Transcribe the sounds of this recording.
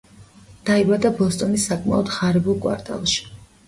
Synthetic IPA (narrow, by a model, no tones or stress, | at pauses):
d̪̥aibad̪abɔst̪ʼɔnisːakʼma̰ɔd̪χaɾɛbulˠkʼwa̰ɾt̪ʼa̰lˠʃi̥